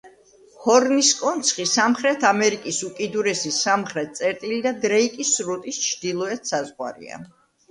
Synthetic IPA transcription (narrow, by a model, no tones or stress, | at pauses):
hɔɾniskʼɔnt̪sʰχisamχɾɛt̪ʰamɛɾikʼisukʼid̪uɾɛsisamχɾɛt̪̚t̪sʼɛɾt̪ʼilid̪ad̪ɾɛikʼisɾut̪ʼist͡ʃʰd̪̥ilˠɔɛt̪ʰsazʁwa̰ɾḭa̰